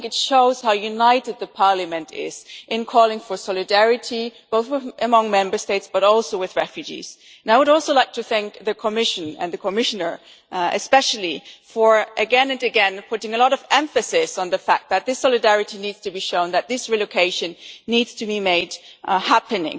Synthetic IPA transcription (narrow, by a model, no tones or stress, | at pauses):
θŋkɨtʃoʊz̥haʊjʉnaɪɾɨd̪̚ðɨpʰɑɹlɨmɨ̃ntʰɪ̰z̥ʔɨ̃nkʰɔlˠɪ̃ŋfə˞sɔlˠɨdɛɹɨɾib̥oʊθwɪʔɨmʌ̃ŋmɛ̃mbə˞steɪtsb̥ʌɾɔlˠsoʊwɨðɹɛfjʉd͡ʒḭz̥̃ | naɪwɨɾɔlˠsoʊlaɪk̚tʰɨθæ̃ŋk̚ðɨkʰəmɪʃɨ̃nɨ̰̃nðɨkʰəmɪʃɨnə˞ | ɨspɛʃl̩ˠifə˞ʔɨɡɛ̃nɨ̃nɨɡɛ̃npʰʊɾɪ̃ŋɨlɔɾʌvɛ̃ɱfɨsɪsn̩ðɨfæk̚t̪̚ðɨt̪̚ðɪsɑlˠɨdɛɹɨɾinidz̥tʰɨbiʃõʊ̃nðɨt̪̚ðɪsɹiloʊkʰeɪʃɨ̃nːidz̥tʰɨbimeɪdhæpɨnɪ̰̃ŋ